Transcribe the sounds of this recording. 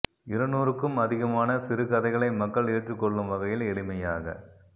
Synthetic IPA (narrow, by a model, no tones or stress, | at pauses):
ɪɾɐnuːɾɯkːɯmɐðɪɣɐmaːnɐsɪɾɯkɐðɐɪɣɐɭɐɪmɐkːɐɭeːʈrɯkːɔɭːɯmʋɐɣɐjɪlɛɭɪmɐjaːɣɐ̰